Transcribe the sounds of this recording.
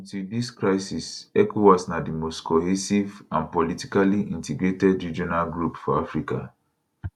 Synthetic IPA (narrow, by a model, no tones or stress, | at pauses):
ɔ̃ntudiskɹaɪsisɛkowasnadimostkɔɦisivãnpɔliti̥kaliʔĩntiɡɹetɛdɹid͡ʒɔnalɡɹupfɔafɹika̰